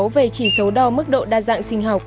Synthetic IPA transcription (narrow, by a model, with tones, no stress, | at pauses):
wve˨˩t͡ɕi˧˩sə˨˦wɗɔ˧mɨ˦˥k̚ɗo̰˧˨ɗaː˧˩za̰ː˧˨ŋsï˧ŋ̟ɦaː˨˩w̚